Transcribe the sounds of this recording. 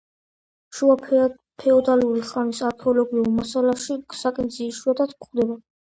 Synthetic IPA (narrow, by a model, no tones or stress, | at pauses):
ʃuap | pʰɛɔd̪aluɾiχanisaɾkʰɛɔlɔɡiulmasalaʃisakʼɛnd̪ziːʃuad̪at̪ʰkχd̪ɛba